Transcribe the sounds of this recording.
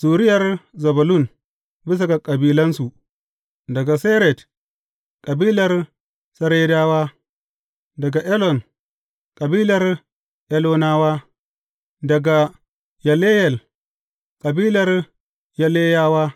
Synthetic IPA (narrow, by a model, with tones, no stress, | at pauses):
suː˨ɾɪ˦jɐ˨ɾzɐ˨bɐ˨lu˦˨n | bi˦s̬a˨ɡa˨kʼɐ˨biː˦lɐ˦nsu˨ | dɐ˨ɡa˨se˦ɾe˨d | kʼɐ˨biː˦lɐ˨r | sɐ˦ɾe˦da˦waː˦ | dɐ˨ɡa˨ʔe˦lɔ˨n | kʼɐ˨biː˦lɐ˨˦ɾ | ʔe˦lo˦naː˦waː˦ | dɐ˨ɡa˨ | ja˨le˦jɛ˨l | kʼɐ˨biː˦lɐ˨ɾ | ja˨le˦ja˦waː˦